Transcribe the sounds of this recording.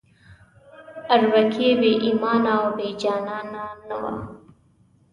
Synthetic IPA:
aɾwakʰebeʔimɑːnawbed͡ʒɑːnɑnanawa̰

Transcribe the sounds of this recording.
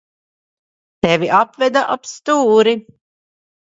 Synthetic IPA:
t̪ɛvʲiʔapvɛd̪aʔapst̪uːɾi

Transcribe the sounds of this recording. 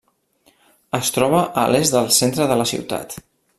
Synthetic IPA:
əst̪ɾɔβ̞əʔə̰lezðəlˠsent̪ɾəðələsḭwt̪a̰t̪

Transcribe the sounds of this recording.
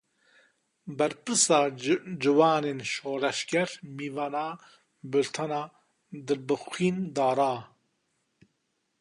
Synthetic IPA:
bɛɾpɨsaːd͡ʒɨwaːneːnʃoːɾɛʃkɛɾmiːvaːnaː | bɨlt̪ʰanaː | d̪ɨbɨxʷiːnd̪aːɾaː

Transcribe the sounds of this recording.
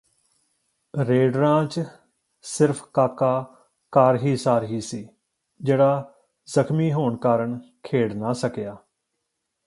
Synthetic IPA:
ɾeːɖɾãːt͡ʃ | sɪɾpʰkaːkaː | kaːɾɦiːsaːɾɦiːsiː | d͡ʒeːɽaː | zəkʰmiːɦoːɳkaːɾəɳkʰeːɽnaːsəkjaː

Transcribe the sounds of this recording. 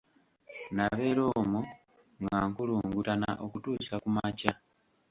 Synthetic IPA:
naβe̞ːɾo̞mu | ŋɡaŋkuluːŋɡutana̰ʔo̞kutuːsakumaca

